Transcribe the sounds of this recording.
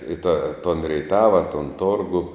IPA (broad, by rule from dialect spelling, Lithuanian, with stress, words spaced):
ɪ tɐ toːn rʲɛɪˈtɑːʋɐ toːn ˈtoːrɡʊ